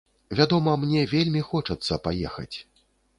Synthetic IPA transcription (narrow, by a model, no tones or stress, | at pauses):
vʲad̪ɔmɐmnʲɛvʲelʲmʲixɔt͡ʂɐt̪sːɐpajɛxɐ̰t͡sʲ